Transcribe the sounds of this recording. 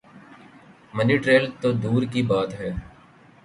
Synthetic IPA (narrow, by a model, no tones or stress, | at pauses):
məniʈɾeːlt̪od̪uːɾkibaːt̪ɦɛː